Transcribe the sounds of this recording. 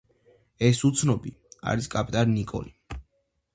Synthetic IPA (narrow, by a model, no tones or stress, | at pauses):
ɛsut̪sʰnɔbia̰ɾiskʼapʼt̪ʼaninikʼɔ̰li